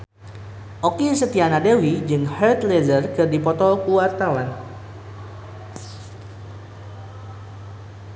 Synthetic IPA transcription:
ʔokisət̪ianadewid͡ʒɨŋhɛrt̪lezərkɨrdipɔt̪ɔkuwart̪awan

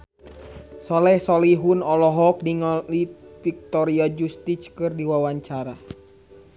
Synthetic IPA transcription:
sɔlɛhsɔliɦunɔlɔɦɔk̚diŋɔlifik̚t̪ɔɾiad͡ʒust̪it͡ʃkɨrdiwawaɲt͡ʃaɾa

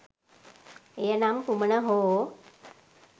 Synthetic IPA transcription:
ejənamkumənəɦoː

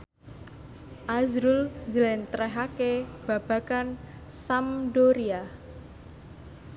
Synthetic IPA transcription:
ʔazɾʊlɲd͡ʒəlɛnt̪ɾɛɦakeb̥a̤b̥ä̤kansamdoɾia

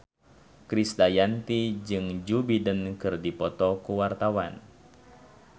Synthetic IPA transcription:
kɾisdajant̪id͡ʒɨŋd͡ʒubidənkɨrdipɔt̪ɔkuwart̪awan

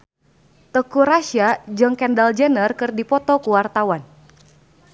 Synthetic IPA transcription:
t̪əkuɾaʃiad͡ʒɨŋkɛndald͡ʒənərkɨrdipɔt̪ɔkuwart̪awan

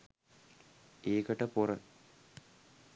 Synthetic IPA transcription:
eːkəʈəporə

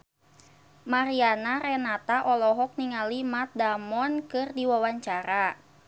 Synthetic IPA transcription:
maɾianaɾɛnat̪aʔɔlɔɦɔk̚niŋalimat̪̚damɔnkɨrdiwawaɲt͡ʃaɾa

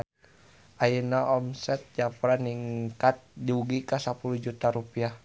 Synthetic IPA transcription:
ainaʔɔmsɛt̪̚d͡ʒapɾaniŋkat̪̚diuɡikasapulud͡ʒut̪aɾupiah

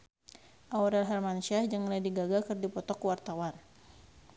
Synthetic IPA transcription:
ʔawɾɛlɦɛlmanuʃiahd͡ʒaŋlajdiɡaɡakɨrdipɔt̪ɔkwart̪awan

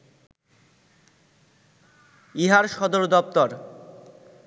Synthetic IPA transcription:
iɦaɾʃɔd̪oɾd̪ɔp̚t̪ɔɾ

